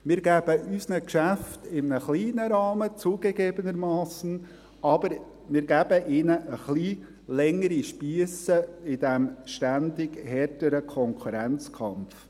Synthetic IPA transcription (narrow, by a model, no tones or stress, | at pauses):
mɪːɾɡæb̥əʔysnəkʃæftɪmnəχliːnəɾɑːmət͡suːɡ̥eɡeːbənəɾmɑːsən̩ | ɑb̥əɾ | mɪːɾɡæb̥əʔɪːnəʔəχli | lɛŋəɾiʃpiəsəɪd̥æmʃtænd̪ɪɡhɛrtəɾəkʰɔŋkʰuɾænt͡skʰɑmf